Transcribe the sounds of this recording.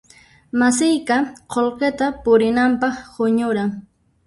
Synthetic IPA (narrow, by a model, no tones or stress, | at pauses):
mas̬ɪjkaqʰolqet̪apʊɾɪnampɑχhʊɲʊɾaŋ